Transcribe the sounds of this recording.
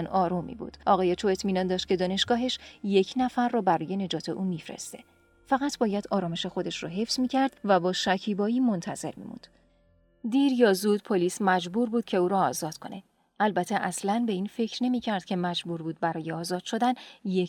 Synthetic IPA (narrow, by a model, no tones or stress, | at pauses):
nɒːɾumḭbṵːd̪̥ɒ̰ːɣɒːjet̪ʰoe̞t̪ʰmiːnɒnd̪ɒːʃt̪̚cʰe̞d̪ɒːne̞ʃɡ̥ɒːɦe̞ʃje̞cʰnæfæɾːɒːbæɾɔːje̞ne̞d͡ʒɒːt̪ʰe̞ʔumifɾḛst̪e̞̰ | fæɣæt̪ʰbɒːjæd̪̥ɒːɾɒːmeʃe̞xo̞d̪e̞ʃrɔɦe̞fsmiːcʰæɾd̪̥væbɒːʃæcʰiːbɒːiːmo̞nt̪ʰæze̞̰ɾmḭːmṵnd̪̥ | d̪iːɾjɒːzud̪̚pʰoliːsmæd͡ʒbuːɾbuːd̥̪cʰe̞uːɾɒːzɒːd̪̥kʰo̞̰ne̞ | ʔælbæt̪ʰːeʔæslænbe̞iːnfe̞cʰɾne̞miːcʰæɾd̪̥̚cʰe̞mæd͡ʒbuɾbuːd̪̚bæɾɒːjeɒːzɒːd̪̥ʃo̞d̪ænje